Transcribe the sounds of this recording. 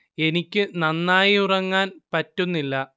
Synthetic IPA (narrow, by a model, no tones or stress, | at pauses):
e̞nikʲːɨnɐnːaːjiurɐŋːaːnpɐtːunːilːɐ